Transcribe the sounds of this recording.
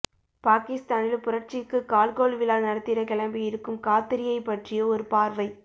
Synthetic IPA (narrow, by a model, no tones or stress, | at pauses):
paːkɪst̪aːnɪlpʊɾɐɾt͡ʃɪkːɯkːaːlkoːlʋɪlaːnɐɽɐt̪ːɪɾɐkɛlɐmbɪɪɾɯkːɯmkaːt̪ːɪɾɪjɐɪpːɐʈrɪjɐɔɾɯpaːɾʋɐɪ